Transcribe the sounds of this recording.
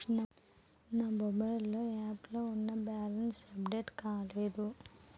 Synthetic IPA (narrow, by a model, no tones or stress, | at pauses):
nɐ | nɐbɐbɐɾɐluaːplɐunːɐbaːlɐnsɐbɖeʈkaːleːd̪u